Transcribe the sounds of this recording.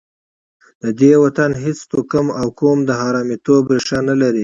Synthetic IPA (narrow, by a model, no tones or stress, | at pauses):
d̪̥əd̪ewat̪anɦɪt͡st̪okəmawkomd̪əɦɑɾɑmit̪obɾeʂanalaɾi